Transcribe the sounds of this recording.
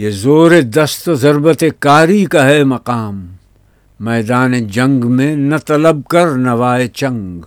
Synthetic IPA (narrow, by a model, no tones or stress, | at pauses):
jezoːɾed̪ɐst̪ozɐɾbət̪ekaːɾikaɦɛmɐqaːmː | ɛːd̪aːned͡ʒɐ̃ŋɡmẽnɐt̪ɐləb̚kɐɾnɐʋaːet͡ʃɐ̃ŋɡ